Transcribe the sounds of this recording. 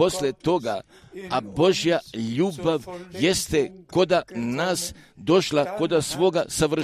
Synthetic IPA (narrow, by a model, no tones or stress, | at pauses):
o̞slet̪o̞ɡa | abo̞ʒijaʎuːbaʋjest̪eko̞d̪anaːsd̪o̞ʃlako̞d̪asʋo̞ɡasaʋr̩